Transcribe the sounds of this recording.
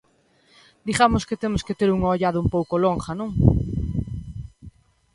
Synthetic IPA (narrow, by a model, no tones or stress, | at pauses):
d̪iɣamosket̪emosket̪eɾuŋoʎaðʊumpowkoloŋχanõŋ